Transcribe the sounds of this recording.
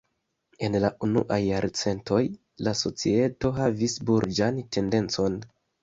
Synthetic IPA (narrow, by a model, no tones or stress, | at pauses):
e̞nlaʔunṵʔajːaɾt͡se̞ntʰo̞j | laso̞t͡sie̞to̞ɦavisbuɾd͡ʒante̞nde̞nt͡so̞n